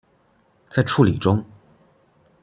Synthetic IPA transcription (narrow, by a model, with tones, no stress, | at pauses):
t͡sa˥˧ɪʈ͡ʂʰu˥˩li˨˩ʈ͡ʂʊ˥ŋ